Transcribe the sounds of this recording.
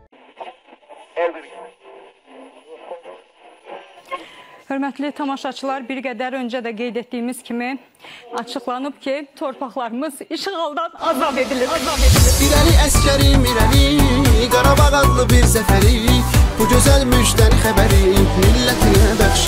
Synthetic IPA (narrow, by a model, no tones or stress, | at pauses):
hø̞ɾmæt̪ʰlit̪ʰɑmɑʃɑt͡ʃʰɯlˠɑɾbiɾɡæd̪æɾø̞nd͡ʒæd̪æɡe̞jd̪e̞t̪̚d̪ijimiz̥cʰimi | ɑt͡ʃʰɯχlˠɑnɯb̥cʰit̪ʰo̞ɾpʰɑχlˠɑɾɯmɯz̥iʃʁɑlˠd̪ɑnɑzɑed̪izɑed̪ibiɾæliæscʰæɾimiɾæliɡɑɾɑbɑʁɑd̪lˠɯbiɾsæfæɾib̥uɟø̞zælmød͡ʒid̪æɾixæbæɾimilːæt̪ʰinæd̪ɑχʃ